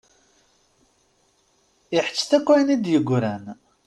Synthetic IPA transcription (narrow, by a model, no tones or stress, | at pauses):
ɪħə̥t͡ʃːθækʷːænid̪jəɡʷɾæn